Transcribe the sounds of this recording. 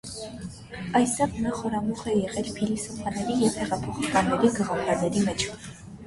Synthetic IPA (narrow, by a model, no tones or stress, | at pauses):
ɑjst̪ɛʁnɑχɔɾɑmuχɛjɛʁɛlpʰilisɔfʰɑnɛɾijɛvhɛʁɑpʰɔχɑkɑnːɛɾiɡəʁɑpʰɑɾnɛɾimɛt͡ʃʰ